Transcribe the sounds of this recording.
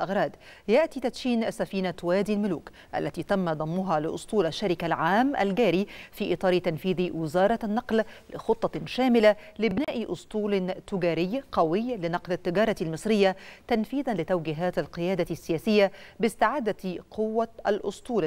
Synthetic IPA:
ʔɑɣɾˤɑːd̪ | jaʔt̪iːt̪at̪ʃiːnsafiːnat̪waːd̪ilmʊluːk | ʔa̰lːat̪iːt̪amːad̪ˤɑmːʊɦaːlɪʔʊ̰sˤt̪ˤuːlaʃːaɾɪkalʕaːmʔa̰lɡaːɾifiːʔɨt̪ˤɑːɾit̪anfiːðiwɪzɑːɾˤɑnːɑqllɪ̰xʊt̪ˤːɑʃaːmɪlalɪbɪnaːʔʔʊst̪ˤuːlt̪ʊɡaːɾɪjːqɑwɪjlɪnɑqlat̪ːɪɡɑːɾˤɑt̪almɨsˤɾɪjːat̪anfiːðanlɪt̪awɡɪɦaːt̪alqɨjaːd̪asːɪjaːsɪjːabɪst̪ɪʕaːd̪aqʰʊwːaʔalʔʊ̰st̪ˤuːl

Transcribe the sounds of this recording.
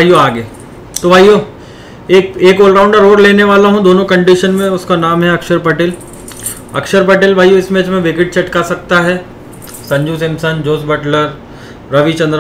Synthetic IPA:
bʱaːjoaːɡeː | t̪obʱaːjoː | eːkeːkoːlɾãːʊ̃ɳɖəɾoːɽleːneʋaːlaɦũd̪oːnõkɐ̃ɳɖiʃənmẽʊskanaːmɦɛɐkʃəɾpɐʈeːl | ɐ̰kʃəɾpɐʈeːlbʱaːjoɪsmeːt͡ʃmẽʋɪkɪʈ̚t͡ʃɐʈkasɐk̚t̪aɦɛː | sɐ̃ɲd͡ʒuːsɪ̃msənd͡ʒoːsbɐʈləɾ | ɾɐʋit͡ʃɐ̃nd̪ɾ

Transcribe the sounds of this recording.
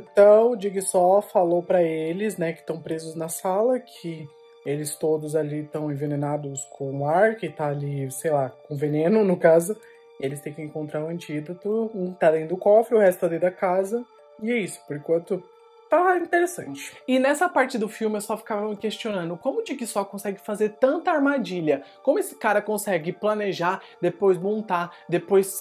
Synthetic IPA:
ẽt̪ɐ̃w̃ʊd͡ʒiɡɪsɔfalowpɾɐelɪsnɛkɪ̥t̪ɐ̃w̃pɾezʊznɐsalɐkʰɪ | elɪst̪od̪ʊzalit̪ɐ̃w̃ẽvenenad̪ʊskʰõũaɾkɪt̪aːlisejlakõvenẽnʊnʊkazʊ | elɪst̪ẽj̃kɪẽŋkõnt̪ɾaɾũɐ̃nt͡ʃid̪ɐt̪ʊ̃t̪ad̪ẽnʊʊkɔfɾɪʊhɛst̪ʊt̪ad̪eijd̪ɐkazɐ | ɪɛisʊ̥poɾkwɐ̃nt̪ʊ | t̪aĩnt̪eɾesɐ̰̃t͡ʃɪ̥ɪnɛsɐpaɾt͡ʃɪd̪ʊfiwmɪewsɔfi̥kavɐmɪkest͡ʃiõnɐ̃nd̪ʊkõmʊd͡ʒɪkɪsɔkõsɛɡɪfazeɾt̪ɐ̃nt̪ɐaɾmad͡ʒiʎɐkõmʊesɪ̥kaɾɐkõsɛɡɪplɐneʒaɾ | d̪epojzmõnt̪ad̪epojs

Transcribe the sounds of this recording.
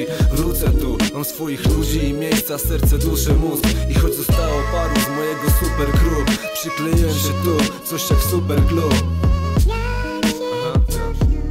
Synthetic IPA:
vɾut̪sɛt̪umamsfɔjixlud͡ʑiːmʲjejst̪sasɛɾt̪sɛd̪uʂɨmuskixɔd͡ʑzɔst̪awɔpad̪uzmɔjɛɡɔsupɛɾkɾuppʂɘklɛjɛɛmɕɛt̪ut̪sɔɕɛfsupɛɾɡlu | aɦa

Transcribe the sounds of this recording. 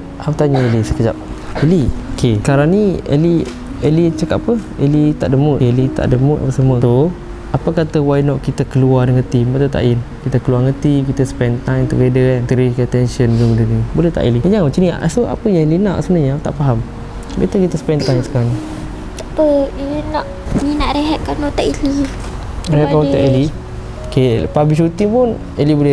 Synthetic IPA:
hawt̪aɲəelisə̥kəd͡ʒap̚ | bəliokʰekaɾaŋniḛli | əlit͡ʃəkaʔapəelit̪a̰ʔdəmuʔelit̪a̰ʔdəmuʔ̪a̰pəsəmət̪o | apəkat̪əwajnɔʔkit̪əkəluadəŋət̪imbət̪ət̪a̰ʔinkit̪əkəluaŋət̪ik̬it̪əsə̥pɛnt̪ajmt̪əɡedənt̪əɾik̪t̪ɛnʃənɡəŋədənibolɛht̪a̰ʔiliəɲaŋət͡ʃənisoa̰pəjaŋilinaʔsəbənaɲat̪a̰ʔfaɦam | bet̪əkit̪əsə̥pɛnt̪ajmsə̥kaɾana | t̪apənaʔminaʔɾeɦɛʔ̚kanɔt̪aʔili | ɾeɦɛʔkat̪aʔili | kepaambis̬ut̪ipʊn | elibolɛ

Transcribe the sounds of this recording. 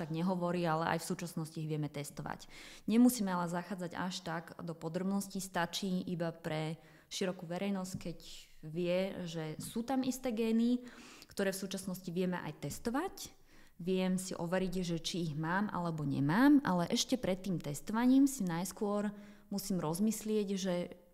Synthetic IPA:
ʃaɡɲɛɦɔʋɔɾiːalɛʔa̰jfsuːt͡ʃasnɔsciːɣʋɪɛmɛt̪ɛst̪ɔʋa̰cɲɛmusiːmɛalɛzaxaːd͡zaɟa̰ʃt̪aɡd̪ɔpɔd̪ɾɔbnɔscist̪at͡ʃiːʔibapɾɛ | ʃiɾɔkuːʋɛɾɛjnɔsckɛc | ʋɪɛʒɛsuːt̪amist̪ɛːɡɛːnikt̪ɔɾɛːfsuːt͡ʃasnɔsciʋɪɛmɛ̰ʔa̰jt̪ɛst̪ɔʋac | ʋɪɛmsḭʔɔʋɛɾiɟʒɛt͡ʃiːɣmaːmʔa̰lɛbɔɲɛ̰maːmʔalɛʔɛʃcɛpɾɛt̪ːiːmt̪ɛst̪ɔʋaɲiːmsinajskʊɔɾ | musiːmɾɔzmislɪɛɟʒɛ

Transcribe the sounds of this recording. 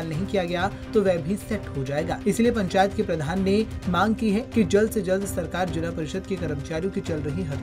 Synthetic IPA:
lnɐɦĩkijaɡɐjat̪oʋɛːbʱisɛʈɦod͡ʒaːeːɡaːɪsiliepɐ̃ɲt͡ʃaːjət̪kepɾɐd̪ʱaːnːemãːŋɡ̚kiɦɛkid͡ʒɐld̪sed͡ʒɐld̪sɐɾkaːɾd͡ʒʊlapɐɾɪʃəd̪kekɐɾəmt͡ʃaːɾijõkit͡ʃɐlɾɐɦiɦɐ

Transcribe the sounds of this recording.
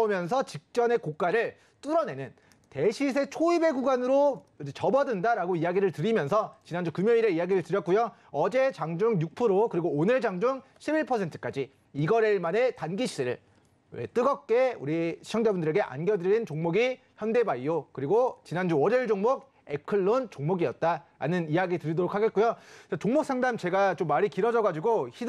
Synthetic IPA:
mjʌns̬ʰʌt͡ɕik̚t͡ɕ͈ʌne̞kok̚k͈aɾɯɭ | t͈uɾʌne̞nɯn | te̞ɕʰis̬ʰe̞t͡ɕʰoibeɡuɡanɯɾod͡ʑet͡ɕʌbʌdɯndaɾaɡoijaɡiɾɯɭtɯɾimjʌnsʰʌt͡ɕinand͡ʑukɯmjʌɲiɾeiaɡiɾɯɭtɯɾjʌk͈ujo | ʌd͡ʑet͡ɕaŋd͡ʑuŋjuk̚pʰɯɾokɯɾiɡoːnɯɭd͡ʑaŋd͡ʑuŋ | ɕʰibiɭpʰʌsʰe̞ntʰɯ̥k͈ad͡ʑiː | ɡʌɾeɭmane̞tanɡiɕʰideɾɯɭ | ḛt͈ɯɡʌk̚k͈e̞ṵɾiɕʰi̥t͡ɕʰʌŋd͡ʑabundɯɾe̞ɡe̞ʔa̰nɡjʌdɯent͡ɕoŋmoɡi | çjʌnde̞baiokɯɾiɡot͡ɕinand͡ʑuʌɾeɭd͡ʑoŋmok̚ | e̞kʰɯɭːont͡ɕoŋmoɡiʌt̚t͈aɾa̰nɯnijaɡitɯɾidoɾokʰaɡet̚k͈ujot͡ɕat͡ɕoŋmok̚s͈ʰaŋdamt͡ɕe̞ɡat͡ɕomːaɾikiɾʌd͡ʑʌɡad͡ʑiɡoçi

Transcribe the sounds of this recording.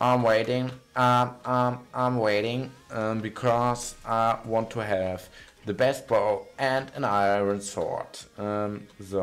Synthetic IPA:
ʔãɪ̃mweɪɾɪ̃ŋ | aɪ̃mʔãɪ̃mweɪɾɪ̃ŋʌmbɨkʰɔzʔaɪwɑ̃ntʰəɨv | ðɨbɛst̚b̥oʊɨ̃nɨ̃naɪɹə̃nsɔ̰ɹtʌ̃mso

